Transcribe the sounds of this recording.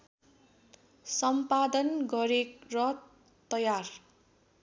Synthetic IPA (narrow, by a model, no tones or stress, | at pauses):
sʌmpad̪ʌnɡʌɾekrʌ | t̪ʌjar